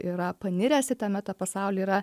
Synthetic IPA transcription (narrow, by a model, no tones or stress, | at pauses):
iɾɐpɐnʲɪɾʲɛsʲɪt̪ɐmʲɛt̪ɐpɐsɑˑʊlʲeiːɾɐ